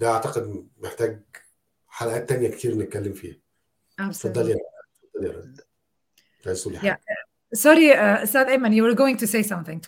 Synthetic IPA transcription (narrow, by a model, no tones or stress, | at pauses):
d̪æʔaʕt̪ɑqed̪meħt̪æːɡ̚ | ħalæʔæːt̪ːænjækt̪ʰiːɾnet̪̚kælːemfḭːhæ | asfɑd̪ːɑljɑɾˤɑfɑd̪ˤːɑljɑ̰ɾˤɑ̰ | tajsˤulːijæ | sɑɾiəst̪æd̪emæ̃njuwəɾɡoːɪ̃ŋt̪useɪsʌ̃mθɪ̃ŋ